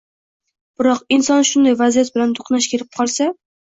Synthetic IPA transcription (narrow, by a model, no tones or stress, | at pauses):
b̥ɪɾɒqɪnsɒnʃʊnd̪ajvazijat̪̚bɪlant̪ʰʊ̥qnaʃkʲʰeɾɪp̚qʰɒlˠsa